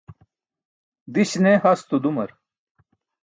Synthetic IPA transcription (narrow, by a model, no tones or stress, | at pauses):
d̪iɕnehɐst̪ud̪umɐɾ